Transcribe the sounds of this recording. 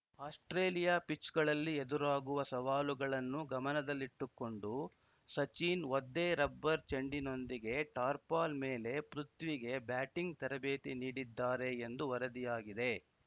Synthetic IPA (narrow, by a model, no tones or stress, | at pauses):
aːsʈɾeːlijaːpit͡ʃɡɐɭɐlːied̪uɾaːɡuʋɐsɐʋaːluɡɐɭɐnːuɡɐmɐnɐd̪ɐlːiʈːukːo̞ɳɖu | sɐt͡ʃiːnod̪ːeːɾɐbːɐɾt͡ʃɐɳɖino̞nd̪iɡe̞ʈaːɾpaːlmeːle̞pɾut̪ʋiɡe̞bjaːʈiŋɡt̪ɐɾɐbeːt̪iniːɽid̪ːaːɾe̞ːnd̪uʋɐɾɐd̪ijaːɡid̪e̞